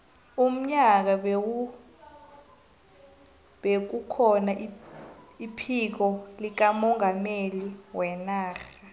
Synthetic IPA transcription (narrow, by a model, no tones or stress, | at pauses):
um̩ɲak̬aɓ | ɓek̬ukʰɔnaʔ | ipʰik̬ɔlik̬amɔŋʱameliwɛnaːxa